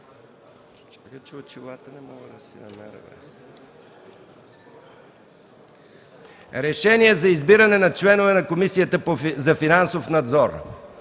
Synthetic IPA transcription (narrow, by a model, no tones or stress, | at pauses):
t͡ʃakət͡ʃɛot͡ʃilˠat̪ənɛmɔɡˠəd̪ɐsɛ̰nɐmɛɾvɛ̰ | ɾɛʃɛniɛzɐizbiɾənɛnɐt͡ʃlɛnʊvɛnɐkomisijət̪əpozɐfinansofnɐd̪zɔɾ